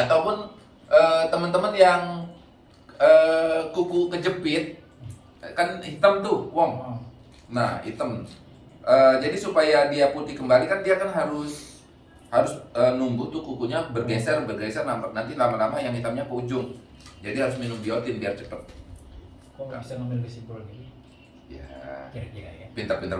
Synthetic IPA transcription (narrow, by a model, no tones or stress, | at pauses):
at̪aupʊn | ʔəːt̪əmənt̪əmənjaŋ | əːkukukəd͡ʒəpɪt̪̚ | kanhit̪amt̪ʊhwɔŋ | nahḭt̪əm | ʔəːd͡ʒadisupajadiaput̪ɪkəmbalikandiakanɦaɾʊs | haɾʊsənumbut̪ʊkukuɲabərɡɛnsərbərɡɛnsərnamanant̪ilamalamajaŋhit̪amɲapəud͡ʒʊŋ | d͡ʒadiɦaɾʊs̬minʊmdiawat̪indiart͡ʃəpət̪̚ | ksaamilɡəsibulni | ja̰ | pint̪apint̪ə